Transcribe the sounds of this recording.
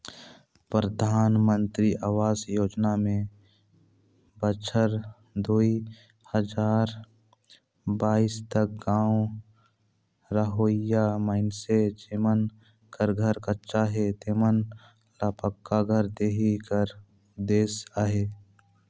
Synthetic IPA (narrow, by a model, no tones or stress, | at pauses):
pɾəd̪ʱaːnmə̃nt̪ɾiʔaːʋaːzjoːd͡ʒnamẽ | bət͡ʃʰəɾ | d̪ui | həd͡ʒaːɾ | baːiːst̪ək̚ɡãːo | ɾəɦoːɪjjaməɪnsed͡ʒemən | kəɾɡʱəɾkətːʃaɦet̪emən | laːpəkːaɡʱəɾd̪eːɦikəɾ | d̪eːsaɦeː